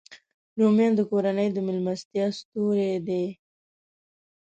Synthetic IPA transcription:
ɾomjɑ̃nd̪əkoɾanəjd̪əmɪlmast̪jɑst̪uɾed̪e

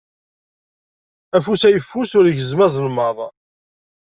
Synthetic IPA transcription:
æfusæjəfːusʊɾʝəzmæzˤlmɑðˤɑ

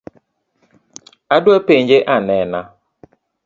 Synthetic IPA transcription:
adʊepeɲ̩d͡ʒeʔanɛna

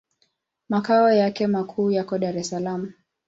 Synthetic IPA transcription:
makaɔjakɛmakʰuːjakɔɗaɾɛsalamu

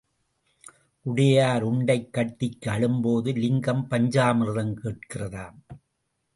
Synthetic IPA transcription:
ʔʊɽɐjaːɾʊɳɖɐɪkːɐʈːɪkːɯɐɭɯmboːðɯlɪŋɡɐmpɐɲd͡ʒaːmɪɾɾɐŋkeːʈ̚kɪrɐðaːn

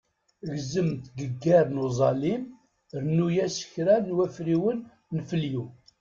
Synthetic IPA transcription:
ɣzəmt̪ɡəɡːæɾnuzˤɑlim | ɾnujæsə̥çɾænwæfɾiwənː | fəlju

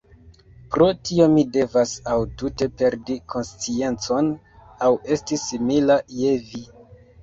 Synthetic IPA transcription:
pɾo̞tio̞mide̞vasawtute̞pe̞ɾdikʰo̞nst͡sie̞nt͡so̞n | awe̞stisimilaje̞vi

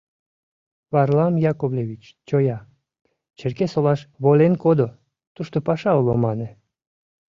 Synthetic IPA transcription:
βɑrlɑmjɑkoβlʲeβʲit͡ɕ | t͡ɕojɑ | t͡ɕĕrkesolɑʃβolʲenkod̪o | t̪uʃt̪opɑʃɑulomɑnĕ

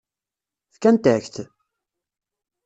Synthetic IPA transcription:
θkænt̪æçθ

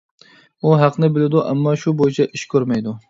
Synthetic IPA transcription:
uɦæqʰnɪbɪlɪd̪uʔɛ̰mːɑʃubojit͡ʃʰɛʔiʃkʲʰøɾmɛjd̪u

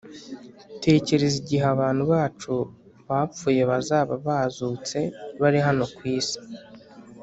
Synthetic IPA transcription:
te̞ːce̞ɾe̞ziɟiɦaβaːn̥huβaːt͡ʃu | βap͡fuːje̞βazaːβaβaːzuːt͡se̞βaɾiɦano̞kwiːsi̥

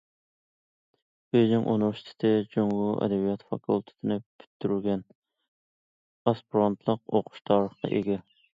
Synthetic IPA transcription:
b̥eʒɪŋʔunɾʃt̪ʰɪ̥t̪ʰɪd͡ʒoŋuɛ̰d̪ɛbijɑt̪fɑ̰kʰulˠt̪ʰɪ̥t̪ʰɪnɪpʰy̥t̪ʰːyɾyɡʲɛn | ɑspiɾɑnt̪ʰlˠəqoqʰʊ̥ʃt̪ʰɑɾəχqɑ̰ʔeɡʲɛ

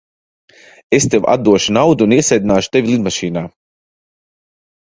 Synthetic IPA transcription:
est̪ewa̰d̪ːuɔʃunawd̪uːniɛsɛjd̪inaːʃt̪evilˠid̪maʃiːnaː

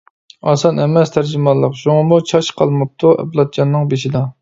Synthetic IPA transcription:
ɑsɑnɛmɛst̪ʰæɾd͡ʒimɑlˠːəqʃuŋɑmut͡ʃʰɑʃqʰɑlˠmɨp̚t̪ʰuɛ̰blˠɑt̪̚d͡ʒɑnːɨŋbeʃid̪ɑ

